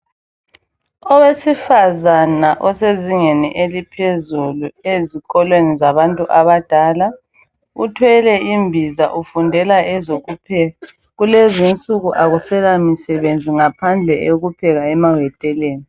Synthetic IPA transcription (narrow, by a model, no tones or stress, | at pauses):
ɔwesifazanaʔɔseziŋɛnɛ̰ʔelipʰezulueziɣɔlwenizaβantʼuʔaβad̥ʱala | ṵtʰwɛlɛimbʱizaʔufundʱɛlaɛzoɣupʰɛ | ɣulezint͡sʼuɣuʔaɣusɛlamisɛβend͡zʱiŋapʰand͡ɮʱɛʔeɣupʰɛɣaɛmawɛtʼɛleːni